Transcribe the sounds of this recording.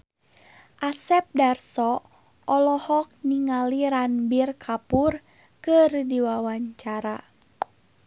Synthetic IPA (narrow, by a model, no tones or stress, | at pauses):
ʔasɛp̚darsɔ | ɔlɔhɔk̚niŋaliɾanbirkʰapur | kɨrdiwawaɲt͡ʃaɾa